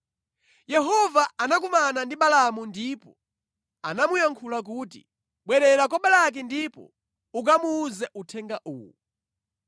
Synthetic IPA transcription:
jɛɦɔvaanak̬umanandiɓalamundipɔ | anamujaŋkʰulak̬uːtḭ | ɓwɛɾɛɾakɔɓalak̬ɛndipɔ̰ | uk̬amuːzɛʔutʰɛŋɡaʔuːwṵ

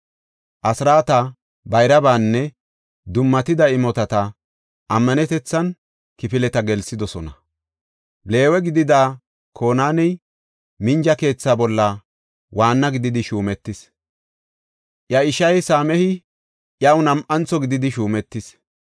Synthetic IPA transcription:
ʔɐsɾaːt̪ɐ | bɐjɾɐbaːnːɛ | d̪ʊmːɐt̪ɪd̪ɐɪmɔt̪ɐt̪ɐ | ʔɐmːɐnɛt̪ɛt͡sːɐn | kɪfɪlɛt̪ɐɡɛlsɪd̪ɔsɔnɐ | le̞ːwɛɡɪd̪ɪd̪aː | kʰo̞ːnaːnɛj | mɪnd͡ʒɐke̞ːt͡sːaːbɔlːɐ | waːnːɐɡɪd̪ɪd̪ɪʃuːmɛt̪ːɪs | ʔjɐɪʃɐjsaːmɛhɪ | ʔjɐwnɐmʔɐnt͡sːɔɡɪd̪ɪd̪ɪʃuːmɛt̪ːɪs

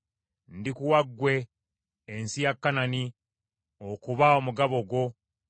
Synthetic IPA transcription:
ndikuwaɡːwe̞ː | nsijakːanani | okuβaomuɡaβo̞ɡwo̞

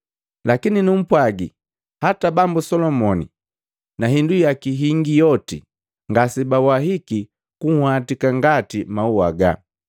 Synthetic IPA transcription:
lakininum̩pwaɡi | hatabambusɔlɔmɔnḭ | naɦindujakiɦiŋɡijɔtḭ | ŋɡasibawaɦiki | kuŋhwatikaŋɡatimauwa̰ɡa̰

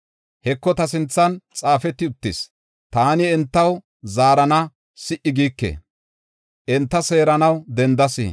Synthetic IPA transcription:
hɛkːɔt̪ɐsɪnt͡sːɐnt͡sʼaːfɛt̪ːɪʊt̪ːɪs | t̪aːnɪɛnt̪ːɐw | zaːɾɐnɐ | sɪʔɪɡiːkːḛ | ʔɛnt̪ːɐse̞ːɾɐnɐwd̪ɛnd̪ɐsḭ

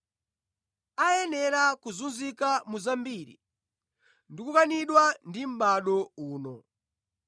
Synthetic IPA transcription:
ajɛnɛɾakuzunzikamuzambiɾḭ | ndikukaniɗwandim̩ɓaɗɔuːnɔ

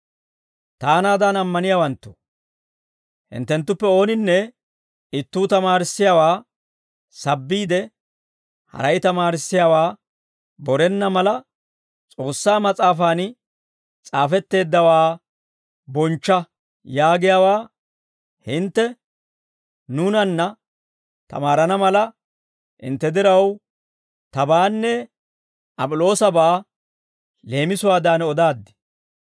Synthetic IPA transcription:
t̪aːnaːd̪anɐmːɐnɪjaːwɐnt̪ːo̥ | hɪ̰nt̪ːɛnt̪ːʊpːɛo̞ːnɪnːɛ | ɪt̪ːuːt̪ɐmaːɾɪsːɪjawaː | sɐbːiːd̪ɛ | hɐ̰ɾɐjt̪ɐmaːɾɪsːɪjawaː | bɔɾɛnːɐmɐlɐ | t͡sʼo̞ːsːaːmɐt͡sʼaːfaːn | t͡sʼaːfɛt̪ːe̞ːd̪ːɐwaː | bɔnt͡ʃːɐ | jaːɡɪjaːwaː | hɪnt̪ːɛ | nunɐnːɐ | t̪ɐ̰maːɾɐnɐmɐlɐ | hɪ̰nt̪ːɛd̪ɪɾɐw | t̪ɐbaːnːɛ | ɐpʼʊlo̞ːsɐbaː | le̞ːmɪsʊwaːd̪aːnɔd̪aːd̪ːɪ̥

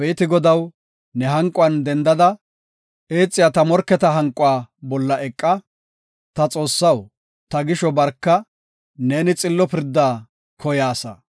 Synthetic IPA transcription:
beːt̪ɪɡɔd̪ɐw | nɛɦɐŋkʼːʊɐnd̪ɛnd̪ɐd̪ɐ | ʔeːt͡sʼːɪjat̪ɐmɔɾkːɛt̪ɐɦɐŋkʼːʊwaːbɔlːɐʔɛkʼːɐ | t̪ɐt͡sʼo̞ːsːɐw | t̪ɐɡɪʃɔbɐɾkːɐ | ne̞ːnɪt͡sʼɪlːɔpɪɾd̪ːaː | kʰɔjaːsɐ̰

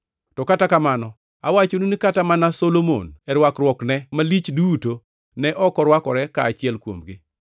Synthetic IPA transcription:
tɔkatakamanɔ | awat͡ʃonunikatamanasolomo̰nɛɾwakrwɔknɛmalit͡ʃduto | nɛʔɔkɔɾwakɔɾɛkaːt͡ʃɪɛlkwo̰mɡɪ

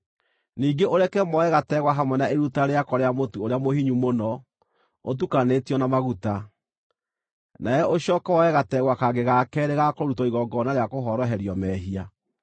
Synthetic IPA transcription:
niːɡeʔoɾɛkɛmɔɛɣatɛɣwaɦamwɛnaeɾutaɾeakɔɾeamotuoɾeamohiɲumonɔ | ot̬ukanetiɔnamaɣuta | najɛʔoɕɔːkawɔɛɣatɛɣwakaɡeɣakɛɾeɣakoɾutɔiɣɔɡɔnaɾeakoɦɔɾɔɦɛɾiɔmɛɦia

